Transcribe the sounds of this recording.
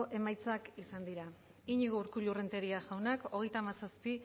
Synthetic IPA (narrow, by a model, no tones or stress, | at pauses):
ʔe̞majt͡sakisand̪iɾa | iɲiɣouɾkuʎure̞nt̪e̞ɾiaʝawnako̞ɣ̞e̞jt̪amasaspi